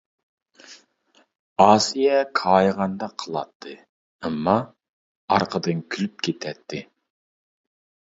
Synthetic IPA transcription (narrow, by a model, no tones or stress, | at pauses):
ɑːsijɛkʰɑːjʁɑnd̪ɑqʰəlˠɑ̰t̪ʰːɨ | ɛmːɑ | ɑ̰ɾqʰəd̪ɨnkʲʰylyp̚kʲʰet̪ʰɛt̪ʰːɪ